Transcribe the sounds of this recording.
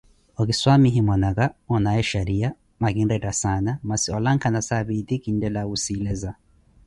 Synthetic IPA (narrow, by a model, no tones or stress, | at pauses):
ɔkiswamiɦimɔnakaɔnaɛʃaɾia | makinɾɛdasanamasiɔlaŋkʰanasaβid̪ikin̩dɛlausilɛza